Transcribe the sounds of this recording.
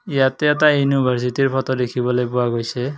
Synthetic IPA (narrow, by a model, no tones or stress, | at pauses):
ijatɛɛt̬ajunibʱaɹs̬itiɹpʰɔtɔdekʰibɔlojpʊwaɡojsʰɛ